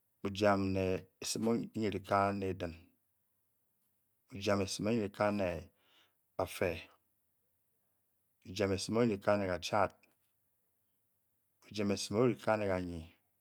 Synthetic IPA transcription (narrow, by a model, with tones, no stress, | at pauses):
u˨d͡ʒa˨mne˨e˨si˨mo˦ɲi˨ɾi˨ka˦ne˨dɨ˨n | u˨d͡ʒa˨me˨si˨mo˦ɲi˦˨ɾi˨ka˦ne˨ | a˨fe˨ | u˨d͡ʒa˨me˨smo˦ɲi˦ɾi˨ka˦ne˨ka˨t͡ʃa˦˨t̚ | u˨d͡ʒa˨me˨si˨mo˦ɾi˨ka˦ne˨ka˨ɲi˨